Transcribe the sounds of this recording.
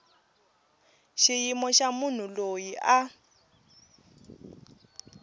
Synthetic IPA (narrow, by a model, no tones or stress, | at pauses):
ʃijimɔʃamun̤ulojiʔa